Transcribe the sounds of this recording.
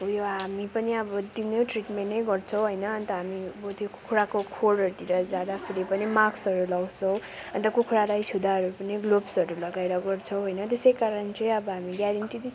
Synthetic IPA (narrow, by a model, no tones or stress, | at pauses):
ɦujoɦamipʌniʌbʌd̪injeʈriʈmenːʌjɡʌrt͡sʰʌw̃ɦojnʌʌnt̪ʌɦamiʌbʌt̪joku̥kʰuɽakokʰoɽʌɾut̪iɾʌd͡zjad̪apʰeɾepʌnimaksʌɾulʌɡt͡sʰʌw̃ʌnt̪ʌkukʰuɽalajt̪ʰud̪aɦʌɾupʌniɡlobsʌɾulʌɡaeɾʌɡʌrt͡sʰʌwɦojnʌt̪esʌjkaɾʌnt͡sʌj̃ʌbʌɦamiɡjaɾʌɳʈid̪i